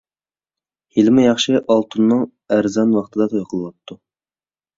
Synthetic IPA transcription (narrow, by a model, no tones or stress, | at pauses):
hilmɪjɑχʃɪʔɑlˠt̪ʰunːɨŋ | æɾzɑnwɑχt̪ʰɨd̪ɑt̪ʰojqʰəlˠɨwɑt̪ʰːu